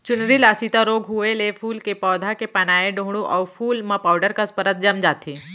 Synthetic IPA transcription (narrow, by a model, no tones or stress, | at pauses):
t͡ʃʊnɾilaːsit̪aɾoːɡɦueleːpʰuːlkepɔːd̪ʱakepɐnaːeɖõːɦɽ̃uʔɔːɾfʰuːlmãpaːʊɖəɾkaspəɾət̪̚d͡ʒɐmd͡ʒaːt̪ʰiː